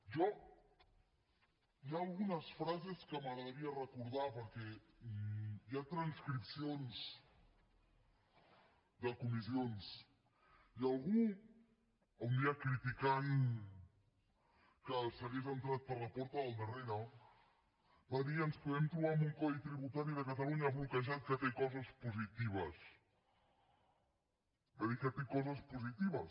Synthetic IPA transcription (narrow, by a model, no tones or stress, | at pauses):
ʒɔ | jaːlɣunasfɾazeskəmaɣɾaðəɾiarəkuɾð̞apəɾke | jat̪ɾanskɾipsjons | d̪əkumizjons | ialɣu | awnd̪iakɾit̪ikan | kəsəɣezənt̪ɾat̪̚pəɾlapɔɾt̪əðəlˠd̪əreɾə | baðiənspuðɛmt̪ɾuβambuŋkɔðit̪ɾiβut̪aɾiðəkət̪aluɲaβulkəʒat̪̚kət̪ekɔzəspuzit̪iβəs | bəðikət̪ekɔzəspuzit̪iβ̞əs